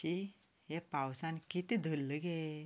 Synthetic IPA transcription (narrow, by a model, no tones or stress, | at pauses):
i | ɦepawsãnkit̪ed̪ʱəlːəɡe